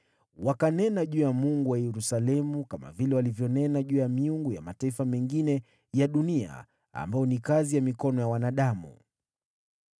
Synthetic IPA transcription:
wakanɛnaʄuːjamuŋɡuwajɛɾusalɛmukama̰vilɛwalivjɔnɛnaʄuːjamiuŋɡujamataifamɛŋɡinɛ | jaɗunia̰ | a̰mbaɔnikazijamikɔnɔjawanaɗamṵ

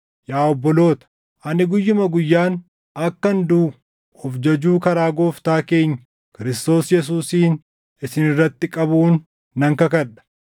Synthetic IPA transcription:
jaːɔbːɔlo̞ːt̪ɐ̥ | ʔɐnɪɡʊjːʊmɐɡʊjːaːn | ɐkːɐnd̪uː | ɔfd͡ʒɐd͡ʒuːkɐɾaːɡo̞ːft̪aːke̞ːɲːɐ̥ | kɪɾɪst̪o̞ːsjɛs̬uːsiːn | ɪsɪnɪrːɐt̪ːɪkʼɐbuːnː | ɐŋkɐkɐᶑɐ̥

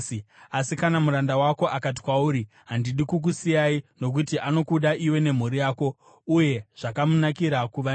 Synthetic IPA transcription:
asikanamuɾandawako̞ʔakat̬i̥kwauːɾi | ɦandiɗikuk̬usijaino̞k̬utiʔano̞kuɗaiwe̞ne̞m̤uɾijaːko̞ | uje̞ʐ̥akamunakiɾakuʋa

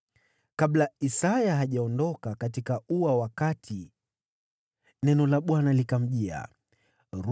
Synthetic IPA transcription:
kaɓlaisajaɦaʄaɔndɔkakat̬ikauwawakatʰi | nɛnɔlaɓwanalikam̩ʄia̰ | ɾ

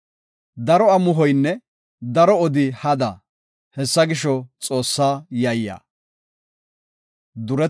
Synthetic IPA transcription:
d̪ɐɾɔɐmʊɦɔjnːɛ | d̪ɐɾɔɔd̪ɪhɐd̪ɐ | hɛsːɐɡɪʃɔt͡sʼo̞ːsːaːjɐjja̰ː | d̪ʊɾɛ

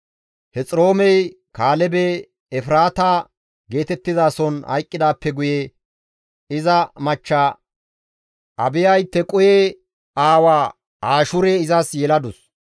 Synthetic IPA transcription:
hɛt͡sʼɪɾo̞ːmɛj | kaːlɛbe | ɛfɾaːt̪aː | ɡe̞ːt̪ɛt̪ːɪzaːsɔnhɐ̰jkʼːɪd̪aːpːɛɡʊjɛ | ɪzɐmɐt͡ʃːaː | ʔɐbɪjɐjt̪ːɛkʼʊje | aːwaː | aːʃʊɾeɪzɐsjɛlɐd̪ʊs

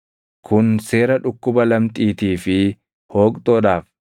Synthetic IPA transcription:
kʰʊnse̞ːɾɐᶑʊkːʊbɐlɐmt̪ʼiːt̪iːfɪ | ho̞ːkʼt̪ʼoːᶑaːf

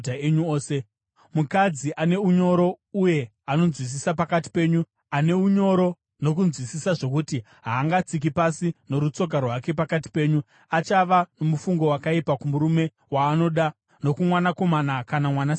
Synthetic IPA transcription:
eɲuoːse | mukad͡ziʔane̞uɲo̞ɾo̞ | uje̞ | ano̞nzwis̬isapakati̥pe̞ːɲu | ane̞uɲo̞ɾo̞ | no̞kunzwisisaʐo̞kuti | ɦaːŋɡat͡sik̬ipasino̞ɾut͡so̞karwake̞pakati̥pe̞ːɲu | at͡ʃaʋano̞mufuŋɡo̞wakaipakumuɾume̞ | waːno̞ɗa | no̞kumwanako̞manakanamwana

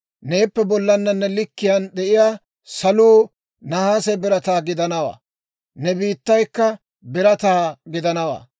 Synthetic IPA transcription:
ne̞ːpːɛbɔlːɐnːɐnːɛlɪkːɪjɐnɗ̪ɛʔɪjaː | sɐluː | nɐhaːsɛbɪɾɐt̪aːɡɪd̪ɐnɐwa̰ː | nɛbiːt̪ːɐjkːɐ | bɪɾɐt̪aːɡɪd̪ɐnɐwa̰ː

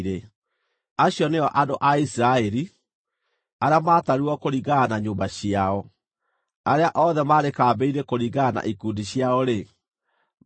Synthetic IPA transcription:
ɾe | aɕjɔneɔʔadoʔaisiɾaɛɾi | aɾeamaːtaɾuɔkoɾiɣanaɲoːmbaɕiaɔ | aɾeaʔɔðɛmaɾekaːbeiɾekoɾiɣaːna̰ʔikuːndiɕjaɔɾe

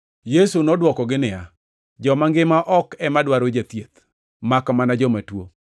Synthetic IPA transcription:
jesunɔdwɔkɔɡɪnɪja | d͡ʒɔmaŋɡɪmaʔɔkɛmadwaɾod͡ʒat̪jet̪ | makɔmanad͡ʒɔmatwo

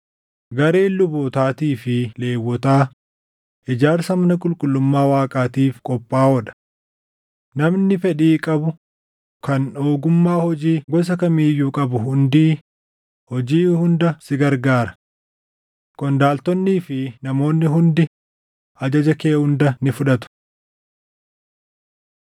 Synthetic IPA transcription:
ɡɐɾeːɪlːʊboːt̪aːt̪iːfɪle̞ːwːɔt̪aː | ʔɪd͡ʒaːɾsɐmɐnɐkʼʊlkʼʊlːʊmːaːwaːkʼaːt̪iːfkʼɔpʼːaːhɔᶑɐ̥ | nɐmnɪfɛᶑiːkʼɐbʊ | kɐnoːɡʊmːaːhɔd͡ʒiːɡɔs̬ɐkɐmiːjːuːkʼɐbʊɦʊnd̪iː | hɔd͡ʒiːhʊnd̪ɐsɪɡɐɾɡaːɾɐ | kʼɔnd̪aːlt̪ɔnːiːfɪnɐmo̞ːnːɪɦʊnd̪ɪ | ʔɐd͡ʒɐd͡ʒɐkeːhʊnd̪ɐnɪfʊᶑɐt̪ʊ̥

